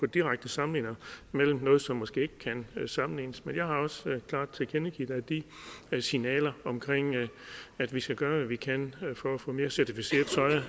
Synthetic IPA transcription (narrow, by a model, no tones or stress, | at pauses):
ɔd̥iʁaɡ̥̚d̥əsɑ̈mnliːnɐmel̰m̩nɔ̽ːð̩ˠsɒ̽mːɔsɡ̥e̝̰ːeɡ̥ə̥kʰænsɑ̈mn̩liːnəsmenjɑ̈ɪhɑ̈ɒ̽skʰlɑ̈ːd̥t͡sʰe̝kʰenəɡ̥ḭːd̥æd̥isinɛ̰ːlɐɒ̽mkʰʁeŋ̰ | æd̥ʋisɡ̥æɡ̥ɶːɐʋæʋikʰænfɒ̽æfɔ̰̽ːme̝ːɐsæɐt͡sʰifise̝̰ːɐð̩ˠt͡sʰɒ̽ɪɐ